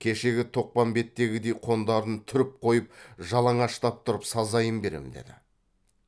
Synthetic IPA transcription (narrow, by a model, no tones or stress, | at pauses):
kʲʰe̞ʃe̞ɡʲɪt̪ʰo̞q̚pɑmbe̞t̪ːe̞ɡʲɪd̪e̞jqʰo̞nd̪ɑɾənt̪ʰʏɾɪp̚qʰo̞jəp̚ʒɑlˠɑɴɑʃt̪ɑp̚t̪ʰʊɾəpsɑzɑjəmbe̞ɾḛmɪd̪ḛd̪ɪ̰